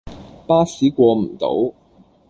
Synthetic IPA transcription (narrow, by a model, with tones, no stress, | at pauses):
paː˥siː˨˥kʷɔː˧m̩˨˩t̪o̰˨˥w